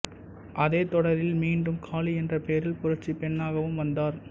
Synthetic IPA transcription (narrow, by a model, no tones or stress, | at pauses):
ʔɐðeːt̪ɔɽɐɾɪlmiːnɖɯmkʰaːliɛndrɐpeːɾɪlpʊɾɐɾt͡ʃipɛɳːaːɣɐʋɯmʋɐnd̪aːɾ